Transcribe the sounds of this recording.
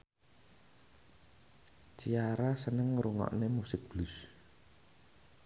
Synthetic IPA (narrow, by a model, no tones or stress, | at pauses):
t͡ʃiaɾasənəŋɾuŋɔ̰ʔnemusɪk̚b̥lus